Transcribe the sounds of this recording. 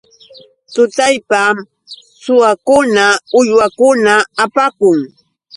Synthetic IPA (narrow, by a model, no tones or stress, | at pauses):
t̪ʊt̪ajpam | sʊwakʊnaʊjwakʊnaːpakʊŋ